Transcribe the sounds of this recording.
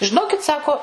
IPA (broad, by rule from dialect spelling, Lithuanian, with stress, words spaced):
ʒʲɪˈnoːkʲɪt ˈsɑːkoː